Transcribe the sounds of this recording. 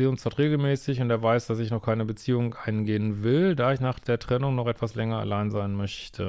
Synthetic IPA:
iːʊnsd̥ɔɐtʁeːɡl̩mɛːsɪçʊnteːɐvaɪsd̥as̬ɪçnɔχkʰaɪnəbət͡siːʊŋʔaɪnɡeːənvɪldaːɪçnaːχd̥eːɐtʁ̥ɛnʊŋnɔχʔɛtv̥aslɛŋɐa̰laɪnzaɪnmœçtʰə

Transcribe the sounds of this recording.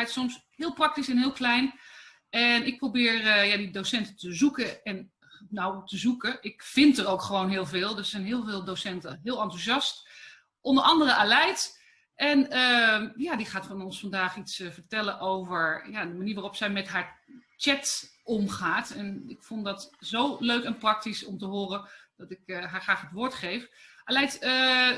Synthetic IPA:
ɛjtsɔms | ɦɪːlˠprɑk̚tisɛnɦɪːlˠklɛjn | ɛnɪk̚prowbɪːɹɹəjadidowsɛntətəzukəɛn | nawtəzukəʔɪkfɪntərowkχəʋownɦɪːlˠvɪːlˠdøssɛjnɦɪːlˠvɪːlˠdosɛntəɦɪːlˠɑntuzɑst | ʔɔndəɹʔɑndərəʔalɛjt | ʔɛnəjaːdiχaːtfɑnɔnsfɑndaːχitsvəɹtɛləʔowvəɹjadəmaniːɹʋaːrɔpsɛjmɛtɦaːɹt͡ʃɛtʔɔmχaːtɛnɪkfɔndɑtzowløɥkɛnprɑk̚tisɔmtəɦʊːrəd̥ɑtɪkɦaːɹχraːχɦətʋʊːɹtχejfʔalɛjtə

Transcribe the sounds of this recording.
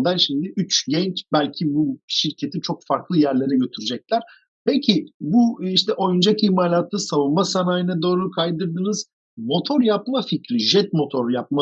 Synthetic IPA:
d̪anʃejd̪iʔyt͡ʃɟɛnt͡ʃbælʲcʰibuʃiɾcʰe̞t̪ʰit͡ʃʰo̞kfaɾklˠɯjæɾlʲe̞ɾɛɟø̞t̪ʰyɾyd͡ʒɛc̚lʲæɾ̥ | pɛcʰiɪbuiʃt̪ʰɛʔo̞jund͡ʒakiçmaːlʲat̪ːˠɯsavunmasanaːjɯnad̪o̞ːɾukʰajd̪ɯɾd̪ɯnɯz̥ | mo̞t̪ʰo̞ɾjapmaficɾiʒɛt̪̚mo̞t̪ʰoɾjap̚ma

